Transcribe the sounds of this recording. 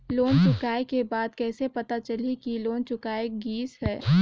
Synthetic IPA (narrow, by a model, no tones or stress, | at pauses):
loːnt͡ʃʊkaːekebaːd̪kɛːsepɐt̪at͡ʃɐlikiloːnt͡ʃʊkaːeɡiːsɦɛː